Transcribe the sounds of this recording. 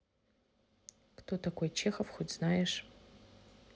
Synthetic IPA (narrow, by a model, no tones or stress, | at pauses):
ktʰotʰakʷojt͡ʃʰeːxɐfxʷʊdz̥naːjɛʂ